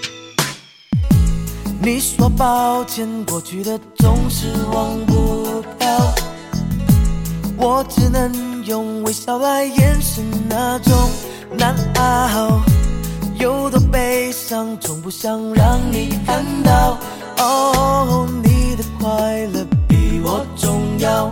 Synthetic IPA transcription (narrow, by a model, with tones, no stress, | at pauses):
ni˨˩˦swɔ˧pɑ˧ʊt͡ɕʰjɛ˧nkwɔ˨˩t͡ɕy˧˥˩ɾə˧t͡sʊ˧ŋʂɻ̩˧˥wɑ˧ŋmu˧pʰjɑ˥˧ʊ | wɔ˨˩ʈ͡ʂɻ̩˧˥nə˧˦ŋjʊ˧ŋwe˧˥ɪɕjɑ˧˥ʊla˥˧ɪjɛ˧˥nʂə˧˥nna˧˥ʈ͡ʂʊ˥ŋ | na˧˥na˧ɦɑ˧ʊ | jo˧˥ʊd̪ə˧pe˧ɪʂɑ˧ŋt͡sʰʊ˨˩ŋpu˧ɕjɑ˥˧ŋɻɑ˧ŋni˨˩kʰa˧nt̪ɑ˧ʊ | o˧˦o˧ni˨˩d̪ə˧kʰwa˥ɪlə˧pi˨˩wɔ˨˩t͡sʊ˧ŋja˧ʊ